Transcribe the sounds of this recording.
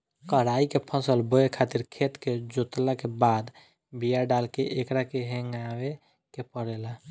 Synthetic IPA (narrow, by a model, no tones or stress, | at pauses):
kəɾaikepʰə̃səlboekʰaːt̪iɾkʰet̪ked͡ʒot̪lakebaːd̪ | bijaɖalkeʔekɾakeɦẽŋawe | kepəɽela